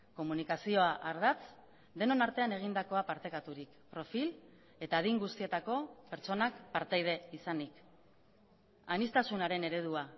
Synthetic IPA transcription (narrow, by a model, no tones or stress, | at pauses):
ko̞munikasio̞aʔaɾð̞at͡s | d̪e̞no̞naɾt̪e̞ane̞ɣ̞ind̪ako̞apaɾt̪e̞kat̪uɾikpɾo̞fil | e̞t̪aːðiŋɡust̪ie̞t̪ako̞pe̞ɾt͡so̞nakpaɾt̪ejð̞e̞isanik | anist̪asunaɾe̞ne̞ɾe̞ð̞ua